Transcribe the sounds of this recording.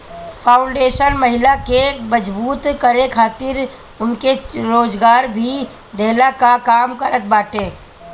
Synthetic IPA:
pʰaːʊ̃ɳɖeːʃənmɐɦɪlakeməd͡ʒbuːt̪kəɾekʰaːt̪ɪɾ | ʊnkeɾoːd͡ʒɡaːɾbʱi | d̪ʱeɦlakakaːmkəɾət̪̚baːʈeː

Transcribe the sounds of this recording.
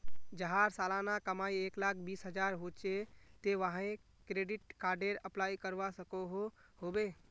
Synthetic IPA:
d͡ʒəɦaɾsalanakəmaieklak̚ʰbisɦəd͡ʒaɾɦot͡ʃet̪eʋaɦãẽkɾeɖiʈ̚kaɾɖeɾəplaikəɾʋasəkoɦo | hobe

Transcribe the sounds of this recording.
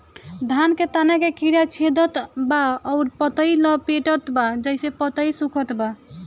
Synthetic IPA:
d̪ʱanket̪anɛkekiɾjat͡ʃʰed̪ʱət̪baɔːɾpət̪əilɔpeʈət̪bad͡ʒəjsepət̪əisukʰət̪ba

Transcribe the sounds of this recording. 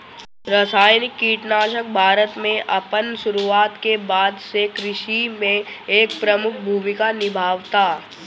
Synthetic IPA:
ɾəsaːjnɪkːiːʈnaːʃək̚bʱaːɾət̪mẽʔɐpənsʊɾuaːt̪kebaːd̪sekɾɪʃimẽeːk̚pɾɐmʊkʰbʱuːmɪkanɪbʱaːʋt̪aː

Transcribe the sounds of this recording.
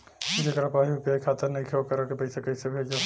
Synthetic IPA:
id͡ʒekɐɾapaːɦiupjaikʰaːt̪əɾnɐĩkʰeokɐɾakepɐɪsekɐɪsebʱeːd͡ʒe

